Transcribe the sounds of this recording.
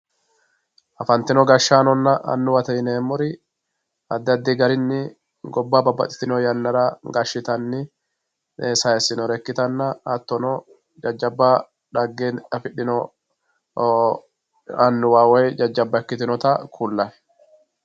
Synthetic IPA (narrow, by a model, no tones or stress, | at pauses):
ʔɐfɐnt̪ɪnɔɡɐʃaːnɔnːɐʔɐ̰nːʊwɐt̪ɐɪneːmːʊɾɪ | ɐd̪ːɐd̪ːiɡɐɾɪnːɪ | ɡɔbːaːbɐbːɐ̰t̪ʼɪ̥t̪ɪnɔjɐnːɐɾaːɡɐʃːɪt̪ɐnːɪ | esɐɛsɪnɔɾɛkːɪt̪ɐnːɐɐt̪ːɔnɔ | d͡ʒɐd͡ʒːɐbːa | ᶑɐɡːenɐfɪᶑɪnɔ | ɐnːʊwaːwejd͡ʒɐd͡ʒːɐbːɐɛkːɪt̪ɪnɔt̪akʰulːɐɛ̥